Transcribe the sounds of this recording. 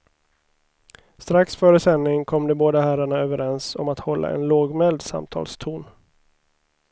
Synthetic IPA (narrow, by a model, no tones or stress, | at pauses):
st̪ɾaksfœːɾəsɛnːɪŋkʰɔmːd̪ɛboːd̪ahæɾaɳaøːvəɾɛnsɔmat̪hɔlːʔa̰ɛ̰nloːɡmɛld̪sa̰mt̪ʰɑ̰ːlst̪ʰuːn